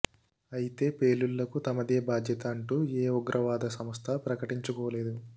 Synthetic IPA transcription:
ɐjit̪e̞ːpeːlːuɭːɐkut̪ɐmɐd̪e̞ːbaːd̪ʱjɐt̪ɐːɳʈuːeːɔɡɾʔɐʋaːd̪ɐsɐmɐst̪ʰɐpɾɐkɐʈiɲt͡ʃukɔːɐle̞ːd̪u

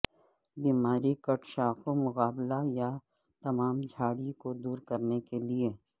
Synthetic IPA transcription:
biːmaːɾikɐʈʃakomʊɣaːblaja | t̪ɐmaːmd͡ʒʱaːɽikod̪uːɾkɐɾnekelie

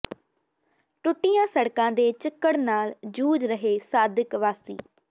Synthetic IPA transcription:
ʈʊʈːɪjãːsəɽkãːd̪eːt͡ʃɪkːəɽnaːld͡ʒuːd͡ʒɾəɦeːsaːd̪ɪkʋaːsḭː

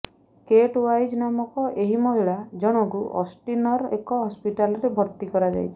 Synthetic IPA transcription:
keʈwajd͡ʒnamɔkɔʔeɦimɔd̪ʱiɭad͡ʒɔɽ̃ɔɡuʔɔ̰sʈinɔɾḛkɔɦɔspiʈalɔɾebʱɔɾt̪ikɔɾad͡ʒa̰jt͡ʃʰi̥

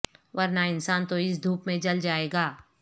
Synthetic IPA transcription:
ʋɐɾnaɪnsaːnt̪oɪs̬d̪ʱuːpmẽd͡ʒɐld͡ʒaːeːɡaː

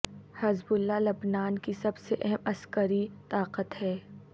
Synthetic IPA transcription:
hɐzbʊlːalɐbnaːnkisɐbseʔɛɦɛmɐskəɾit̪aːqət̪hɛː

